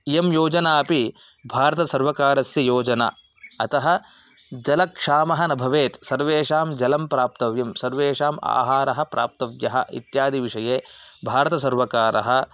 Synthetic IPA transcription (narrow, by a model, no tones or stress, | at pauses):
jemjoːd͡ʒɐnaːɐpi | bʱaːɾɐt̪ɐsɐɾʋɐkaːɾɐsjɐjoːd͡ʒɐna̰ː | ɐt̪ɐɦɐ̆ | d͡ʒɐlɐkʂaːmɐɦɐnɐbʱɐʋeːt̪sɐɾʋeːʂaːmd͡ʒɐlɐmpɾaːp̚t̪ɐʋjɐmsɐɾʋeːʂaːma̰ːɦaːɾɐɦɐ̆pɾʔa̰ːp̚t̪ɐʋjɐɦɐ̰ʔḭt̪jaːd̪ʱiʋiʂɐjeːbʱaːɾɐt̪ɐsɐɾʋɐkaːɾɐ̰ɦɐ̆